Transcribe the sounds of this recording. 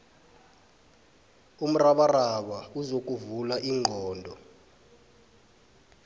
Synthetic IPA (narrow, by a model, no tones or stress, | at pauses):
um̩raɓaraɓauzok̬ʼuvulaʔiŋ͡ǃʱɔːndʱɔ